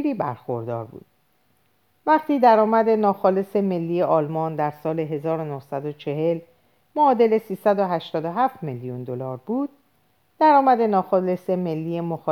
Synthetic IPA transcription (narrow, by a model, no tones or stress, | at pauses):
ɾiːbæ̰ɾxo̰ɾd̪ɒ̰ːɾbṵːd̪̥̚ | væqt̪iːd̪æɾɒːmæd̪e̞nɒːxɒːle̞se̞me̞lːiːjeʔɒːlmɒːnd̪æɾsɒːle̞ɦe̞zɒːɾonohsæd̪ot͡ʃʰe̞ɦe̞l | moɒːd̪e̞le̞siːsæd̪oɦæʃt̪ɒːd̪oɦæːft̪meljund̪olɒːɾbuːd̪̥̚ː | æɾɒːmæd̪e̞nɒːxɒle̞se̞me̞lːiːje̞moxɒː